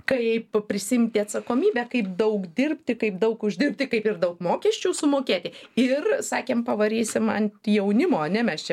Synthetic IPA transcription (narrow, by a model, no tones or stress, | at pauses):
kɐɪppʲɾʲɪsʲɪɪmʲt̪ʲɪɐt̪sɐkoːmʲiːbʲɛkɐɪpd̪ɐʊkd̪ʲɪrʲpʲt̪ʲɪkɐɪpd̪ɐʊkʊʒʲd̪ʲɪrp̚ʲt̪ʲɪkɐɪpɪrd̪ɐʊkmoːkʲɛsʲt͡ʃʲuːsʊmoːkʲeːt̪ʲɪɪrsɑːkʲeːmpɐʋɐɾʲiːsʲɪmɐnʲt̪ʲjɛʊnʲɪmoːɐnʲɛmʲɛst͡ʃʲɛ